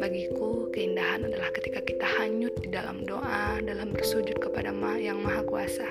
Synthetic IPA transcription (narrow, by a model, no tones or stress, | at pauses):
baɡikukəindaɦanadalahkət̪ikakit̪ahaɲʊt̪̚didala̰mdoʔadalahmbərsud͡ʒʊt̪̚kəpadamajaŋmaɦakuasa